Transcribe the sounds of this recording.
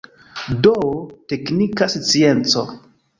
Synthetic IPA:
dote̞knikasit͡sie̞nt͡so̰

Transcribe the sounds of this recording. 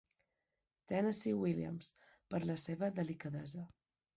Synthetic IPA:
t̪ɛnəsiwiljə̰ms | pəɾləseβəðəlikəðɛzə

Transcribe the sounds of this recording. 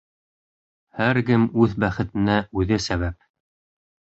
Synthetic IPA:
hæɾɡɘmʉðbæχɘ̆t̪ɘ̆næʔʉðɘsæβæp̚

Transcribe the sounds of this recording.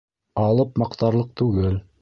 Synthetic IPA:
ɑlˠɤpmɑqt̪ɑɾlˠɤq̚t̪ʉɡɘl

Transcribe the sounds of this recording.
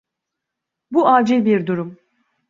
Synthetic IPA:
buaːd͡ʒilʲbiɾd̪uɾum

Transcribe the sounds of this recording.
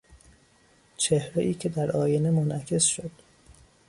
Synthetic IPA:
t͡ʃʰehɾeʔiːcʰe̞d̪æɾʔɒːjene̞monæcʰe̞sʃod̪̥

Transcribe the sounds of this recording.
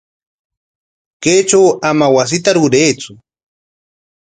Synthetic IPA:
keːt͡ʃawamawas̬ɪt̪aɾʊɾejt͡sʊ

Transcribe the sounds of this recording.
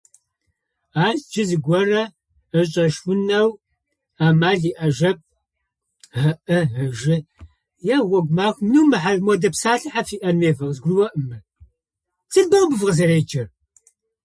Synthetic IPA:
aːsd͡ʒɪzɨɡʷɔrɐ | əɕʼɐʃwʊnɐw | aːmaːɮiːʔɐʒɐp̚ | ɐʔɨɦɐʒɪ | jaːwɐɡʷmaːxmnuːmɨħarmɔdɐpsaːɬɨħafiːʔɐnmeːvɐʁzɡʷʊwɐʔəmɨ | t͡sʰɨɮbɐbɨvʁɐzɐreːt͡ʃʰɐr

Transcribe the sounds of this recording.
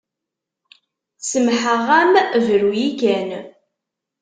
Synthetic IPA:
səmħəʁæmvəɾujikæn

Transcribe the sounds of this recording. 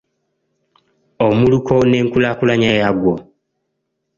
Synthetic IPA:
omulukʰone̞ːŋkulakulaɲajaɡwo

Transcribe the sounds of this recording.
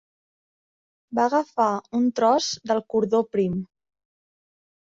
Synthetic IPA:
baɣəfaunt̪ɾɔzd̪əlˠkuɾðopɾim

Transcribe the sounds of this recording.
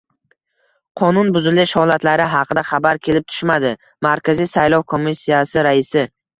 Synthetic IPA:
qʰɒnʊnbʊzɪlɪʃhɒlˠat̪laɾɪɦɑqʰɨd̪aχabaɾkʲʰe̞lɪp̚t̪ʰʊ̥ʃmad̪ɪ | maɾkʲazijsajlˠɒwkʰo̞mːisːijasɪɾaɪsɪ

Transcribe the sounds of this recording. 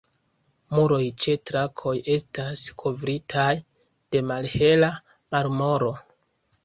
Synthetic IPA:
muɾo̞jt͡ʃe̞tɾakʰo̞je̞staskʰo̞vɾitʰajd̥e̞malhe̞lamaɾmo̞ɾo̞

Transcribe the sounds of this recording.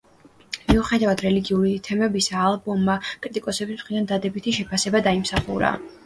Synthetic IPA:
miuχɛd̪avad̪ɾɛliɡiulit̪ʰɛmɛbisaːlˠbɔmːakʼɾit̪ʼikʼɔsɛbismχɾid̪and̪ad̪ɛbit̪ʰiʃɛpʰasɛbad̪aimsaχṵɾa̰

